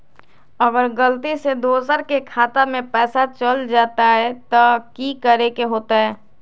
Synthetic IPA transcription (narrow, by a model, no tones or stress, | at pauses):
əɡəɾɡəlt̪ised̪oːsəɾkekʰaːt̪amẽpɛːsat͡ʃəld͡ʒaːt̪aɦɛt̪okikəɾekeɦoːt̪aɦɛː